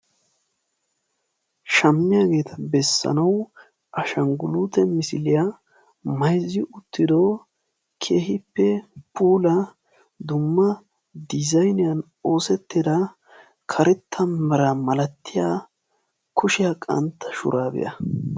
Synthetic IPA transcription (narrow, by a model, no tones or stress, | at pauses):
ʃɐmːɪjɐɡe̞ːt̪ʰɐbɛsːɐ̰nɐw | ʔɐʃɐŋɡʊluːt̪ɛmɪsɪlɪja | mɐjzːɪʔʊt̪ːɪd̪o | kʰe̞ːhɪpːɛpʰuːlɐ | d̪ʊmːɐ | d̪ɪzɐjnɪjɐn | o̞ːsɛt̪ːɪd̪ɐ | kʰɐɾɛt̪ʰːɐmːɛɾɐmɐlɐt̪ʰːɪjaː | kʊʃɪjakʼɐ̰nt̪ʰːɐ̥ʃʊ̰ɾaːbɪ̰jɐ̰